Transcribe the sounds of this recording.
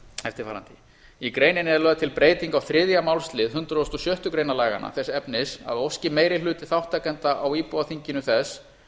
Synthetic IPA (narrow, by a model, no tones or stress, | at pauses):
ɛft̪ɪɾ̥faːɾa̰nt̪ɪ | ikɾeːjnɪnɪɛɾlœːðat̪ʰɪlpɾeːjt̪iŋkawθɾɪðjamaːwlst̪lɪðɦʏnt̪ɾaɔːst̪ɔsjœht̪ʏkɾeːjnalaːjɣa̰na̰θɛsɛpnɪsa̰ðowfscɪmeːjɾɪlʏːt̪ɪθawht̪ʰakɛnt̪aʔawiːpɔðaθiɲcɪnʏθɛs